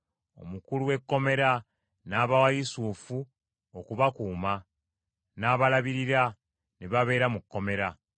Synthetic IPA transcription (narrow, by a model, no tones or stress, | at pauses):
o̞̰mukuluwe̞kːo̞me̞ɾa | naːβawajisufu | okuβakuːma | naːβalaβiɾiɾa | niβaβe̞ːɾamukːo̞me̞ɾa